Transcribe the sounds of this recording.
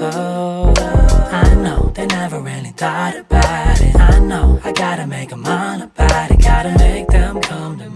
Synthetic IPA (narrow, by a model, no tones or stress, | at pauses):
o | aɪnoʊðeɪnɛvə˞ɹɪlˠidaɪɾɨb̥aʊɾɪ̰taɪnoʊaɪɡɑɾɨmeɪkəmaɪ̃nəb̥aʊɾaɡ̥ɑɾɨmeɪk̚ðɨ̃mkʰʌ̃mtʰɨ